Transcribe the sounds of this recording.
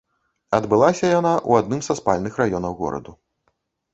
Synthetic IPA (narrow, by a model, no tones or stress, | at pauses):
ɐd̪bɨlˠasʲɐjanaʔṵad̪nɨmzɐspalʲnɨxrajɔnɐwɣɔ̰ɾɐ̰d̪u